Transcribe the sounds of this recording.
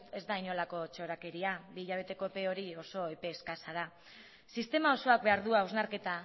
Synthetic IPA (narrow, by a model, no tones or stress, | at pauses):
t̪e̞zd̪ajno̞lako̞t͡ʃo̞ɾake̞ɾiabiːʎaβ̞e̞t̪e̞ko̞pe̞o̞ɾio̞so̞epe̞ːskasaða | sist̪e̞mao̞so̞ak̚be̞aɾðuawznaɾke̞t̪a